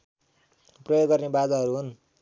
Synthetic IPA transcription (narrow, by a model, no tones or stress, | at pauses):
prʌjoɡːʌrnebad͡zaɦʌɾuɦun